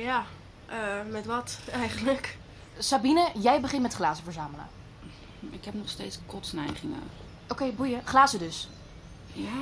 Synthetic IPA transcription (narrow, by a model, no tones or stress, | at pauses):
ja | əmɛtʋɔtɛjχənlək | sabinəjɛjbəχɪnmɛtχlaːzəvəɹzaːmələ̰ | ɪkɦɛpnɔχsteːtskɔtsnɛjχɪŋə̰ | ʔokejbujəχlaːzədɵs | ja